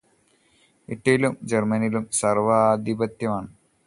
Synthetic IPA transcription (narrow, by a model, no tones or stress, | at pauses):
iʈːɐjilumd͡ʑermɐnilumsɐrʋɐːd̪ibɐt̪jɐmaːɳɨ